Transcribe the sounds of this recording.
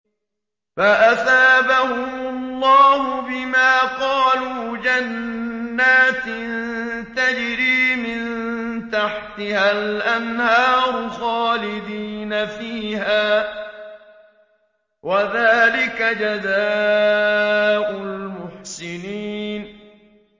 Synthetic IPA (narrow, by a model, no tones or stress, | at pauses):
faʔaθaːbahʊmʊlˤːɑːhʊbɪmaːqɑːluːd͡ʒanː | aːt̪ɪnnt̪ad͡ʒɾiːmɪnt̪aħt̪ɪhalʔanhɑːɾʊxɑːlɪd̪iːnafiːɦaː | wʔaðaːlɪkad͡ʒazaː | ʔʊlmʊħsɪniːn